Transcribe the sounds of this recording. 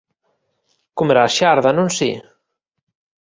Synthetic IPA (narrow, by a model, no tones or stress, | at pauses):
kumeɾaʃaɾðanũnsḭ